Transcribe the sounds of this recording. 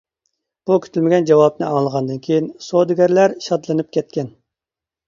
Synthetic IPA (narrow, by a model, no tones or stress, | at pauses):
b̥ukʲʰy̥t̪ʰylmɪɡʲɛnd͡ʒɑwɑpnɨɑŋlˠəʁɑnd̪ɨnkʲʰejinsod̪ɨɡʲæɾlæɾʃɑd̪lˠɨnɨp̚kʲɛt̪̚kʲɛn